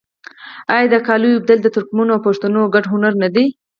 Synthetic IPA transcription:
ɑjɑd̪əkɑlujub̚d̪ald̪ət̪ʊɾkmunoawpaʂt̪anoɡaɖɦʊnaɾnad̪i

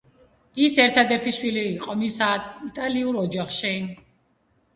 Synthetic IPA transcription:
isɛɾt̪ʰad̪ɛɾt̪ʰiʃwiliːqʼɔmisait̪ʼaliuɾɔd͡ʒaχʃi

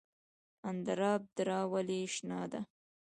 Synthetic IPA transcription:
and̪aɾɑːb̚d̪ɾɑwaliʃnɑːd̪a̰

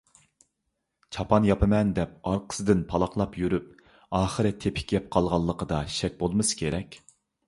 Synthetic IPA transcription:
t͡ʃʰɑpʰɑnjɑpɪmɛnd̪ɛp̚ɑɾqʰə̥sɨd̪ɪnpʰɑlˠɑqlˠɑpjyɾyp̚ | ɑːχəɾɨt̪ʰepʰɪ̥kʲɡʲɛp̚qʰɑlˠʁɑlˠːəqəd̪ɑʃɛk̚ʲbolˠmɨsɨ̥kʲʰeɾɛkʲ

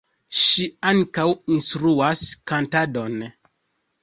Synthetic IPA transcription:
ʃiaŋkawinstɾuaskantado̞n

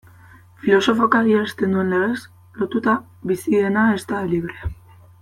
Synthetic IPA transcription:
filo̞so̞fokaɣiaest̪e̞nd̪ue̞nle̞ɣes | lo̞t̪ut̪a | βisiðe̞nae̞st̪aliβ̞ɾe̞a

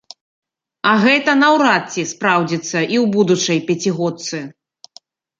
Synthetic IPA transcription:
ɐɣɛt̪ɐnɐwɾat̪t͡sʲːispɾawd͡zʲit̪sːɐʔiwbud̪ut͡ʂɐjpʲat͡sʲiɣɔt̪sɨ

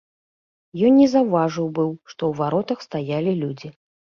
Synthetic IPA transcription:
jɔnnʲɛzawvaʐɨwbɨwʂt̪ɔwvaɾɔt̪ɐxst̪ajalʲilʲud͡zʲi

